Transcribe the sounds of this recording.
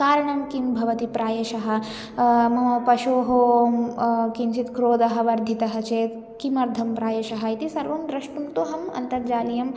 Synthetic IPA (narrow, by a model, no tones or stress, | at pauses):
kaːɾɐɳɐmkimbʱɐʋɐt̪ipɾaːjɐʃɐɦɐ̆ | mɐpɐʃoːɦoː | kinʃit̪kɾoːd̪ɐɦɐ̆ʋɐɾd̪ʱit̪ɐɦɐt͡ʃeːt̪ | kimɐɾd̪ʱɐmpɾaːjɐʃɐɦɐit̪isɐɾʋɐmd̪ɾɐʂʈuŋt̪uɦɐmɐ̰nt̪ɐɾd͡ʒaːlijɐm